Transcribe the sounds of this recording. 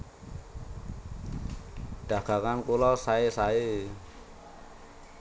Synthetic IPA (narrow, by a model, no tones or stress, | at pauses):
ɖ̥a̤ɡ̥a̤kankulɔsaesaɪ